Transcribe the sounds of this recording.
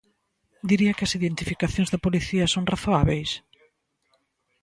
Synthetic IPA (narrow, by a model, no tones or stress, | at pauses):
d̪iɾiɐkɪɐsiðent̪ifikaθjõŋzðɐpoliθiɐsoŋraθoaβejs